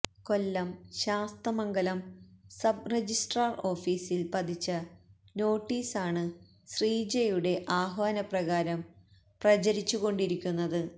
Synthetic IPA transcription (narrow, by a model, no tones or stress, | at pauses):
ko̞lːɐmɕaːst̪ɐmɐŋɡɐlɐmsɐb̚red͡ʑisʈraːro̞ːfiːsilpɐd̪it͡ɕːɐ | no̞ːʈːiːsaːɳɨ | ɕriːd͡ʑejuɽe̞ʔaːɦʋaːnɐprɐɣaːɾɐm | prɐd͡ʑɐɾit͡ɕːuɣo̞ɳɖiɾikʲːunːɐðɨ